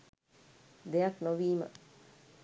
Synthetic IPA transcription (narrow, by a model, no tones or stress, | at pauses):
d̪ejaknoʋiːmə̰